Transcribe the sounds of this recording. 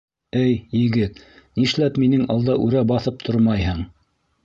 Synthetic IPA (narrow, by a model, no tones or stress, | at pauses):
ɘjjɘ̆ɡɘt̪niʃlæpminɘŋɑlˠd̪ɑʔʉɾæbɑθɤp̚t̪ʰoɾmɑjhɤɴ